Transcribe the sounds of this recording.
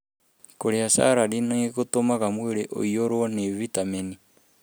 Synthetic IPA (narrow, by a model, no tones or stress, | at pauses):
koɾeasa̰ɾaɾinaeɣotomaɣamweɾeʔo̰joɾwɔnevitameni